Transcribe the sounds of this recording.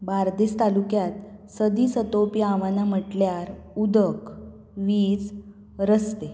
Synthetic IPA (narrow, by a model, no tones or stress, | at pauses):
baɾd̪ist̪alukjat̪səd̪iːsət̪opiãʋanam̤əʈljaɾud̪ək | ʋiːd͡z | ɾəst̪e